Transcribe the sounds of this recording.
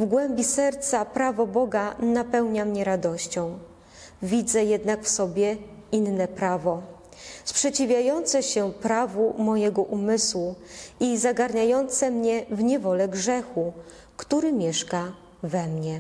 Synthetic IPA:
vɡwɛmbʲisɛɾt̪sapɾavɔbɔɡanapɛwɲamɲɛɾad̪ɔɕt͡ɕɔ̃w̃ | vʲid̪zɛjɛd̪nakfsɔbʲjɛinːɛpɾavɔ | spʂɛt͡ɕivʲjajɔnt̪sɛɕɛpɾavumɔjɛɡɔʔumɘswuizaɡaɾɲajɔnt̪sɛmɲɛvɲɛvɔlɛɡʐɛxu | kt̪uɾɘmʲjɛʂka | vɛmɲɛ

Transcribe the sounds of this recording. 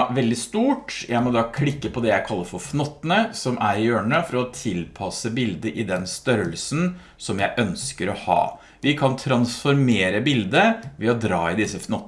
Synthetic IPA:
ʋɛld̪ɪst̪uːʈjæɪmɔd̪ɑːkʰlɪkːəpʰɔd̪ɛjæɪkʰɑlːəɾfɔɾfnɔt̪ːənəsɔmæɾɪøːɳəfɔɾɑɔt̪ʰɪlpʰɑsəbɪld̪əʔɪd̪ɛnst̪œɾəlsn | sɔmjæɪʔœnskəɾɔhɑ̰ː | ʋɪkʰɑnt̪ʰɾɑnsfɔɾmeːɾəbɪld̪əʋɛɔd̪ɾɑːɪd̪ɪsəfnɔt̪

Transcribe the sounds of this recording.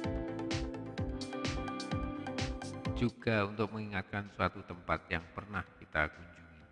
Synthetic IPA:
d͡ʒuɡ̥aunt̪ʊk̚məŋiŋat̪̚kansuat̪ut̪əmpat̪̚jaŋpərnahkit̪a̰kuɲd͡ʒuŋi

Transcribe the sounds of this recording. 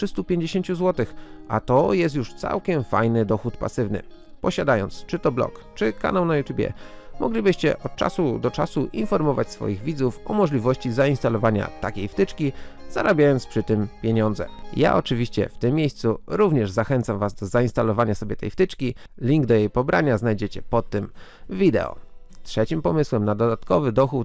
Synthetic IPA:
ʂɘst̪upʲjeɲd͡ʑeɕeɲt͡ɕuzwɔt̪ɘxat̪ɔjɛst̪juʂt̪sa̰wkʲɛmfa̰jnɘd̪ɔxut̪pa̰sɘvnɘ̰ | pɔɕad̪ajɔnt̪st͡ʂɘt̪ɔblɔ̰kt͡ʂɘka̰nawnajut̪ʲjubʲjɛ̰ | mɔ̰ɡlʲibɘɕt͡ɕɛ̰ʔɔt̪̚t͡ʂa̰sud̪ɔt͡ʂasuʔinfɔɾmɔvat͡ɕsfɔ̰jiɣvʲid̪zufɔmɔʐlʲivɔɕt͡ɕizaĩnst̪alɔvaɲa̰t̪akʲejft̪ɘt͡ʂkʲiz̥a̰ɾabʲjajɔnt̪spʂɘt̪ɘmpʲjeɲɔnd̪zɛ̰ja̰ɔt͡ʂɘvʲiɕt͡ɕɛ̰ft̪ɘmːʲjejst̪suɾuvɲɛʐzaxɛnt̪samvazd̪ɔzaĩnst̪alɔvaɲasɔbʲjɛt̪ɛ̰jft̪ɘt͡ʂkʲi | lʲiŋɡd̪ɔjejpɔbɾʔaɲaznajd͡ʑet͡ɕɛpɔt̪ːɘm | vʲid̪ɛ̰ɔ̰ | t̪ʂɛt͡ɕimpɔmɘswɛmnad̪ɔd̪at̪kɔvɘd̪ɔxu

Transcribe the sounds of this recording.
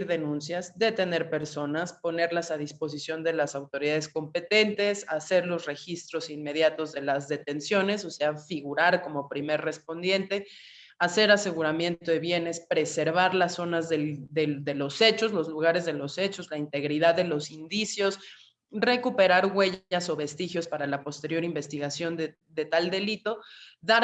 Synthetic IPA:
ɾðenũnsjazd̪e̞t̪e̞ne̞ɾpe̞ɾso̞naspo̞ne̞ɾlasaðispo̞s̬isjo̞nd̪e̞lasawt̪o̞ɾiðaðesko̞mpe̞t̪e̞nt̪e̞sase̞ɾlo̞sre̞xist̪ɾo̞sinme̞ðjat̪o̞zðe̞lazðe̞t̪e̞nsjo̞ne̞so̞se̞afiɣuɾaɾko̞mo̞pɾime̞ɾre̞spo̞nd̪je̞nt̪e̞ | ase̞ɾase̞ɣuɾamje̞nt̪oðe̞βje̞ne̞spɾe̞se̞ɾβaɾlaso̞nazðelðeðe̞lo̞se̞t͡ʃo̞zlo̞zluɣaɾe̞zðe̞lo̞se̞t͡ʃo̞zlaint̪e̞ɣɾiðaðːe̞lo̞sind̪isjo̞s | re̞kupe̞ɾaɾɣwe̞ʝaso̞βe̞st̪ixjo̞spaɾalapo̞st̪e̞ɾjo̞ɾimbe̞st̪iɣasjo̞nd̪e | d̪e̞t̪ald̪e̞lit̪o̞ðaɾ

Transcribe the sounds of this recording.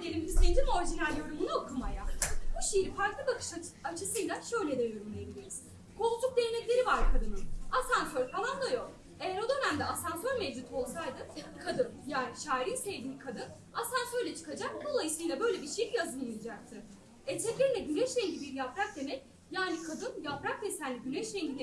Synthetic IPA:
d̪elʲimizlʲed̪imo̞ɾiʒinælʲːjo̞ɾumbunuokʰumajabuʃejifaɾklˠɯbakʰɯ̥ʃḁat͡ʃʰɯsɯjlˠaʃø̞jlʲɛd̪ɛjøɾumlejebilʲiɾiz̥ | kʰo̞lˠkt͡ʃʰuk̚d̪eɾnɛc̪lʲe̞ɾivaɾkʰad̪ɯnɯmasansøɾfalˠand̪ajo̞k | ejæɾo̞d̪ø̞næmd̪ɛasansøɾmed͡ʒut̪ʰo̞lˠsajd̪ɯkʰad̪ɯnjaːniʃaːɾinsevd̪iːkʰad̪ɯn | asansøɾlʲɛt͡ʃʰɯ̥kʰad͡ʒakd̪o̞lˠajɯsɯjlˠabø̞jlʲɛbiɾʃejijazɯmjɯjad͡ʒak̚t̪ʰɯ | ɛt͡ʃ̪ʰɛcʲeɾinɛɟynɛʃɾɛŋɟibiɾjapɾak̚d̪e̞mɛc | jaːnikʰad̪ɯnjapɾak̚d̪esænlʲiɟynɛʃɾɛŋɟid̪

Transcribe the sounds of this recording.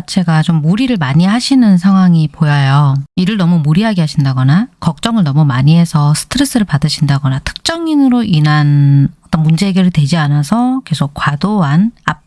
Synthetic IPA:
at͡ɕʰe̞ɡat͡ɕomːuɾiɾɯɭmaɲiɦaɕʰinɯnsʰaŋɦwaŋipojajoiɾɯɭnʌmumuɾiɦaɡeɦaɕʰindaɡʌnakʌk̚t͡ɕ͈ʌŋɯɭnʌmumaɲiɦe̞sʰʌsʰɯ̥tʰɯɾe̞s͈ɯɾɯɭpadɯɕʰindaɡʌnatʰɯ̥k̚t͡ɕ͈ʌŋinɯɾoinanʌt͈ʌnmund͡ʑe̞eɡjʌɾɯɭtwe̞d͡ʑianasʰʌke̞sʰok̚k͈wadoɦanap̚

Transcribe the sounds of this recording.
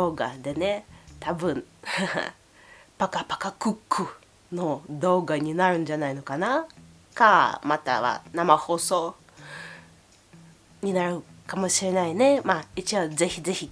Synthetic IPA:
doːɡa̰d̪e̞net̪ʰabɯ̟̃ | pakapḁkakɯkʰːɯ | no̞d̪o̞ːɡaɲ̟inaɾɯ̟̃nd͡ʒanaino̞kana | kamat̪a̰βa̰namaho̞ːso̞ː | ɲ̟inaɾɯ̟kamo̞ɕiɾe̞naine̞mait͡ɕiβaze̞çize̞çi

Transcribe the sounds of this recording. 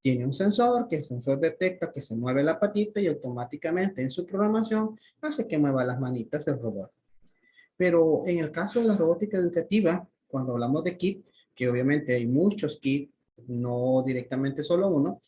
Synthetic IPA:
t̪je̞ne̞unse̞nso̞ɾkeːlse̞nso̞ɾd̪e̞t̪e̞k̚t̪aoke̞se̞mwe̞βelapat̪it̪aiawt̪o̞mat̪ikamẽ̞nt̪eːnsupɾo̞ɣɾamasjo̞ŋ | aseke̞mwe̞βalazmanit̪aselroβot̪̚ | pe̞ɾoeŋe̞lkaso̞ðe̞laro̞βot̪ikaeðukat̪iβa | kwand̪oaβlamo̞zd̪e̞kit̪̚ | keoβjamẽ̞nt̪eajmut͡ʃo̞skit̪̚ | nod̪iɾek̚t̪amẽnt̪e̞so̞louno

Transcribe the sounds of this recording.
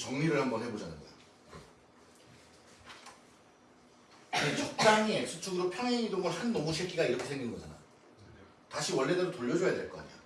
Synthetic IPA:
t͡ɕʌŋɲiɾɯɭhambʌnhe̞bod͡ʑanɯojo | net͡ɕʰok̚t͡ɕ͈aŋesʰut͡ɕʰuɡɯɾopʰjʌnaidoŋɯɭhanːʌmuɕʰek͈ʰiɡaiɾʌkʰesʰeŋɡinɡʌd͡ʑana̰ | taɕʰiwʌɭːedadotoʎːʌd͡ʑʌjadwe̞ɭk͈ʌk͈a̰ɲa

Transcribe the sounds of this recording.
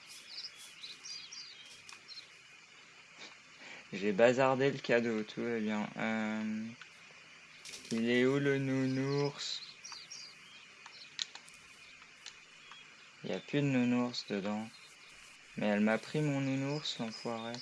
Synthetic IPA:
ʒebazaʁd̪eləkʲad̪ot̪ʰuvabjɛ̃ʔøm | ilɛulənunuʁs | ilja̰plyd̪ənunuʁsd̪əd̪ɑ̃ | mɛɛlmapχimɔ̃nunuʁslɑ̃fwaʁe

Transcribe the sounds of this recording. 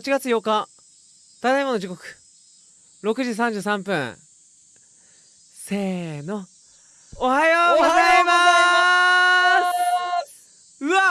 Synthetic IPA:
t͡ɕiɡat͡sɨjo̞ka | t̪at̪aimonoʑiko̞kɯ̥ | ɾo̞kɯ̟ʑis̬ãɲ̟d͡ʑɯːsãmpɯ̟̃ | seːno̞ː | hajoɡazaima | ɯ̟a

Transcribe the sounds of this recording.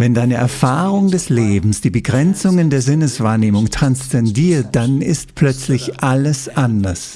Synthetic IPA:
vɛndaɪnəʔɛɐfaːʁʊŋdɛsleːbm̩sd̥iːbəɡʁɛnt͡sʊŋəndeːɐzɪnəsv̥aːɐneːmʊŋtʁ̥anst͡sɛndiːɐt̚d̥anɪstpl̥œt͡slɪçʔaləsʔandɐs

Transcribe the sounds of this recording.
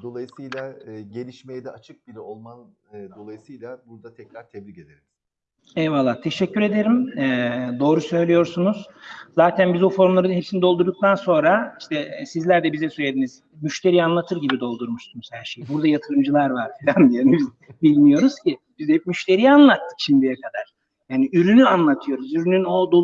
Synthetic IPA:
d̪o̞lˠajɯsɯjlʲˠaɟe̞lʲiʃmejɛd̪ɛat͡ʃʰɯk̚bilʲɛolˠman | d̪o̞lˠajɯsɯjlʲˠabuɾd̪at̪ʰɛcɾaɾt̪ʰebɾice̞d̪eɾimiz̥ | ɛvalˠːaːt̪ʰe̞ʃɛcːyɾe̞d̪e̞ɾimɛːd̪o̞ːɾusø̞jlʲijo̞ɾsunuz̥ | zaːt̪ʰænbizbufo̞ɾmlˠaɾɯnɯnɦe̞psinid̪o̞lˠd̪uɾd̪uk̚t̪ʰanso̞nɾaiʃt̪ʰɛsizlʲæɾd̪ɛbizɛsøjed̪iniz | myʃt̪ʰe̞ɾijanlˠat̪ʰɯɾɟibid̪o̞lˠd̪uɾmuʃsunuz̥hæɾʃejbuɾd̪ajat̪ʰɯɾɯmd͡ʒɯlˠaɾvaɾfilʲand̪ijanibiz | bilʲmijo̞ɾuz̥cib̥izɛpmyʃt̪ʰe̞ɾijanlˠat̪ʰːɯ̥kʃʰimd̪ijɛkʰad̪aɾ̥ | jjaːniyɾynyanlˠat̪ʰɯjo̞ɾuzyɾynyno̞d̪o

